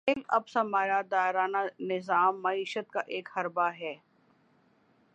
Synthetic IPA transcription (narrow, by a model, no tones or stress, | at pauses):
ɪlɐ̰bsɐmaːɾaːd̪aːɾaːnanɪzaːmːɐiːʃət̪̚kaʔeːkhɐɾbaɦɛː